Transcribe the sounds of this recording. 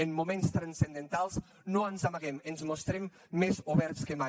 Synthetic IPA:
emmumenst̪ɾansend̪ent̪alˠs | noənzamaɣɛmenzmost̪ɾɛmː | ezuβɛɾt̪skəma

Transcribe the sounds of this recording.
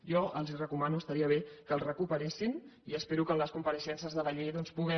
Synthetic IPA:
jɔʔəlˠzirəkumanuəst̪əɾiəβ̞ekəlˠrəkupəɾesiniəspeɾukəmləskumpəɾəʃɛnsəzðələʎeðɔnspuɣɛ

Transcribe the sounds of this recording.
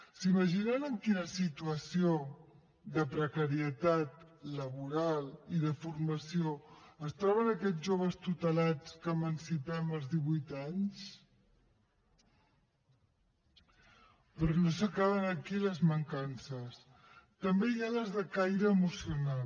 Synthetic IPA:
siməʒinənəŋkinəsit̪uəsio | ðəpɾəkəɾiət̪at̪̚ləβuɾalˠiðəfurməsioəst̪ɾɔβ̞ənəkɛʒoβ̞əst̪ut̪əlat͡skəmənsipɛməlˠzðiβujt̪aɲs | pɾɔnosəkaβənəkiləzməŋkansəs | t̪əmbejaləzðəkajɾəːmusiuna

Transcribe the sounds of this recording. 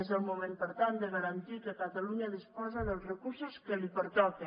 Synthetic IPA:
zəlmumẽmpəɾt̪and̪eɣaɾant̪ikekat̪aluɲaðispɔzaðəlˠzrekuɾsoskelipeɾt̪ɔke

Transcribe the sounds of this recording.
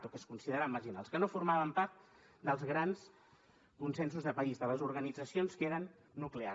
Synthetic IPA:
t̪ukəskunsiðəɾamːəʒina̰lˠskənofuɾmaβəmpaɾt̪ | d̪əlˠzɣɾans | kunsensuzðəpəizðələzuɾɣənid͡zəsionskeɾənː | uklea

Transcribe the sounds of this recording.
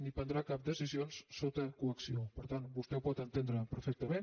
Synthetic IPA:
nipənd̪ɾakap̚d̪əzizionsːot̪əkuəksiopəɾt̪anbust̪ɛwpɔt̪ənt̪end̪ɾəpəɾfɛk̚t̪əmen

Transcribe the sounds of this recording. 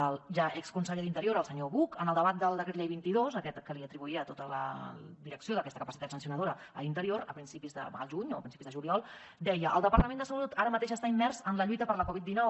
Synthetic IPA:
əlʒaʔɛkskunseʎðint̪əɾioɾəlˠsəɲoβukənəlˠd̪əβat̪̚d̪əlˠd̪əkɾet̪lʎejβint̪iðozəkɛt̪kəliət̪ɾiβuiət̪ot̪ələ̰d̪iɾəksijoðəkɛst̪əkəpəsit̪at̪sənsiunəð̞oɾəəlint̪əɾioɾəpɾinsipizðə̰ə̰lˠʒuɲoəpɾinsipizðəʒuliɔlˠ | d̪ɛjəʔəlˠd̪əpəɾt̪əmend̪əsəlut̪aɾəmət̪eʃəst̪aimːɛrzənləʎit̪əpəɾləkɔβit̪̚d̪inɔw

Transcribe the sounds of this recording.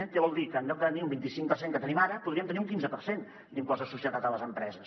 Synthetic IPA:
nk̪eβɔlˠd̪ikəːnʎɔk̪̚ət̪əniumbint̪isiŋkpərseŋkət̪ənimaɾəpuðɾiəmt̪əniuŋkinzəpəɾsen | niŋkɔzəsusiət̪at̪ələzəmpɾɛzəs

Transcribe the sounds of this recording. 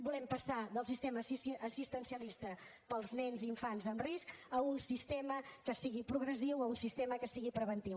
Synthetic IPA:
bulɛmpəsaðəlˠsist̪eməsisːsist̪ənsiəlist̪ə | pəlˠznɛnziːɱfanzənriskəunsist̪eməkəsiɣipɾuɣ̞ɾəziwəunsist̪eməkəsiɣipɾəβənt̪iw

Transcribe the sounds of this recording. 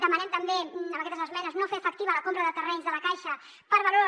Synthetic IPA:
d̪əmənɛmt̪əmbẽməkɛt̪əzəzmɛnəznofeəfək̚t̪iβələkompɾəðət̪ərɛɲzðələkajʃə | pəɾβəlo

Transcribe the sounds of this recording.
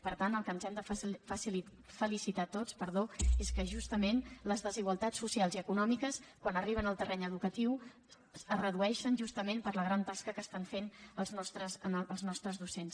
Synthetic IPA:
pəɾt̪ant̪əlˠkənzɛmd̪əfəsl | fəlisit̪at̪ot͡spəɾðoeskəʒust̪əmenləzðəziɣwəlˠt̪at͡sːusialˠziəkunɔmikəskwanəriβ̞ənəlˠt̪ərʔɛɲəðukət̪iw | ərəðuɛʃənʒust̪əmenpəɾləɣɾant̪askəkəst̪aɱfenəlˠznɔst̪ɾəzəəlˠznɔst̪ɾəzðusens

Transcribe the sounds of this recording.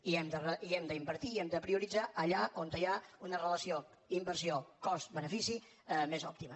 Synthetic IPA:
iɛmd̪ərəiɛmd̪əimbəɾt̪iːɛmd̪əpɾiuɾid͡zaʔəʎaʔont̪əjaunərələsio | imbəɾsiokɔst̪bənəfisi | mezɔ̰p̚t̪imə

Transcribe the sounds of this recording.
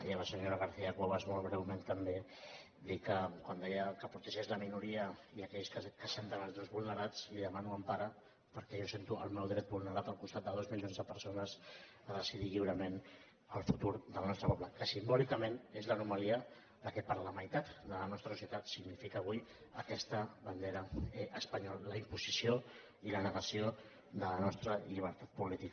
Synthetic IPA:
jələsəɲoɾəɣ̞əɾθiəkwoβazmolˠɣ̞ɾɛwment̪əmbe | d̪ikəkwand̪ɛjəkəput̪əʒezləminuɾiəiəkɛʎskəkəsent̪ənalˠzðozβulˠnəɾat͡sliðəmanuəmpaɾə | pəɾkɛʒɔsent̪uə̰lˠmɛwðɾɛt̪̚bulˠnəɾat̪əlˠkust̪at̪̚d̪əðozmiʎionzðəpəɾsonəz | əðəsiðiʎiwɾəmen | əlˠfut̪uɾðəlnɔst̪ɾəpɔβləkəsimbɔlikəmẽnezlənumaliə | ləkɛpəɾləmajt̪at̪d̪ələnɔst̪ɾəsusjət̪at̪siɡnifikəːβuj | əkɛst̪əβənd̪eɾəʔəspəɲɔlləimpuzisio | ilənəɣəsio | ðələnɔst̪ɾəʎiβ̞əɾt̪at̪̚pulit̪ikə

